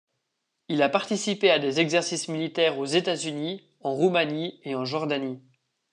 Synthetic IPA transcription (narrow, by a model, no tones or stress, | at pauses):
ilapaʁt̪isipead̪ezɛɡzɛʁsismilit̪ɛːʁozet̪azyni | ɑ̃ʁumanieɑ̃ʒɔʁd̪ani